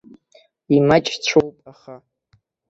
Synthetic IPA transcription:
imat͡ʃʼt͡ɕʷʰowpʼaχa

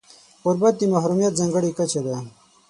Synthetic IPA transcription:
uɾbɐt̪̚d̪imaɦɾumijɐt̪̚zɐŋɡəɽikɐt͡ɕʰed̪a

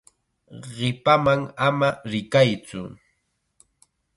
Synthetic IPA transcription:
ɢɪpamaŋamaɾɪkajt͡sʊ̰

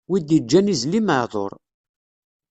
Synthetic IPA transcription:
wid̪jəd͡ʒːænizlimðˤo̰ɾˤ

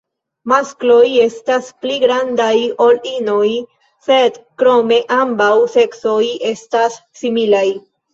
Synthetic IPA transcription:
masklo̞je̞staspliɡɾandajo̞lino̞j | se̞dkɾo̞me̞ʔambawse̞kso̞je̞stasːimilaj

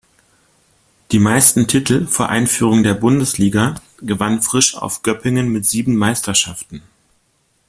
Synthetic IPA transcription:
d̥iːmaɪstn̩tʰɪtʰl̩foːɐʔaɪnfyːʁ̞ʊŋdeːɐbʊndəsliːɡa | ɡəvanfʁ̥ɪʃa̰ʊfɡ̥œpɪŋənmɪtz̥iːbm̩maɪstʰɐʃaftn̩

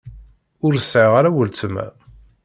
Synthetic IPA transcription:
ʊɾəsʕəʁaɾæwəlt͡səmæ̰

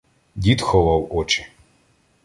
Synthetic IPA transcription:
dʲit̪xɔʋɑwɔt͡ʃɪ̥

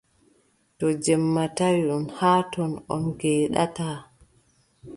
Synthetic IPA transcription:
tɔd͡ʒɛmːatajɗunhaːtɔnɔ̰nɡɛːɗa̰taː

